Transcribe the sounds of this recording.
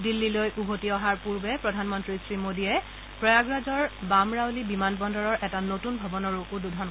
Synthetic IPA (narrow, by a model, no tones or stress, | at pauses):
dilːilojʔubʱotiɔɦaɹpuɹbɛpɹɔdʱanmɔntɹisɹimodiɛ | pɹɔjaɡɹazɔɹbamɹawlibimanbɔndɔɹɔɹʔɛtanotunbʱɔbɔnɔɹuududʱɔn